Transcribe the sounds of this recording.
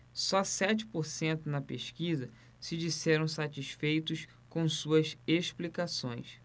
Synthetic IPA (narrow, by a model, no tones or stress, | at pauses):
sɔsɛt͡ʃɪ̥poɾsẽnt̪ʊnɐpeʃkizɐ | sɪd͡ʒisɛɾɐ̃w̃sat͡ʃiʃfejt̪ʊs | kõsuɐzeʃplikasõ̰j̃s